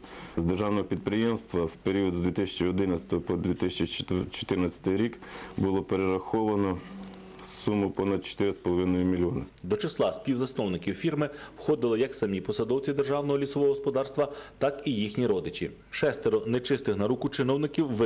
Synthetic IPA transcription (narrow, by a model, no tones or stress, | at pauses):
zd̪erʒɑwnɔɦɔpʲid̪̚pɾɪjemst̪ʋɐwpeɾʲiɔd̪zd̪ʋʲit̪ɪsʲɐ̥t͡ʃiɔd̪ɪnɐt͡sʲɐ̥t̪ɔɦɔpɔd̪ʲʋʲit̪ɪsʲɐt͡ʃit͡ʃɔ̥t̪ɪɾnɐt͡sʲɐ̥t̪ɪjɾʲik | bʊlˠɔpeɾeɾɐxɔʋɐnɔ | ssumʊpɔnɐd̪̚t͡ʃɔ̥t̪ɪɾɪspɔlˠɔʋɪnɔjʊmʲilʲiɔnɪd̪ɔt͡ʃɪslˠɑsʲpʲiwzɐsnɔwnɪkʲiwfʲirmɪwxɔd̪ɪlˠɪjɐksɐmʲipɔsɐd̪ɔwt͡sʲid̪e̞rʒɑwnɔɦɔlʲisɔʋɔɔɦɔspɔd̪ɑrst̪ʋɐt̪ɑkijixnʲiɾɔd̪ɪt͡ʃʲḭ | ʃɛst̪eɾɔnɛt͡ʃɪst̪ɪxnɐɾukʊt͡ʃɪnɔwnɪkʲiwʋ